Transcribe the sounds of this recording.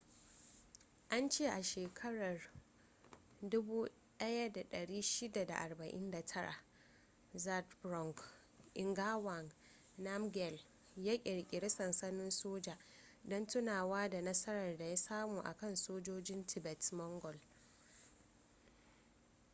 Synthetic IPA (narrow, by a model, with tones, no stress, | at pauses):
ʔa˦nt͡ʃeː˦˨ʔa˨ʃeː˨kʰɐ˦ɽɐ˨r | dʊ˦buː˦ | ɗɐ˦ja˦da˨ɗɐ˨ɽiː˦ʃɪ˦da˨da̰˨ʔa˨rbɐ˨ʔɪ̰˦nda˨tʰɐ˦ɽa̰˨ | za˦tbɾɔ˦˨ŋk | ʔɪ˨ŋɡaː˦wa˨ŋ | na˦mɡɛ˨l | jaː˦kʲʼɪ˨ɽkʲʼɪ˨ɽɪ˦sɐ˨nsɐ˦nɪ˦nsoː˦d͡ʒaː˨ | dɔ˦ntʊ˦naː˨waː˦da˨nɐ˦sɐ˦ɾɐ˨rda˨ja˦saː˦muː˨ʔa̰˨kɐ˦˨nsoː˦d͡ʒoː˦d͡ʒɪ˦ntʰɪ˨bɛ˨tmɔ˦ŋɡɔ˨l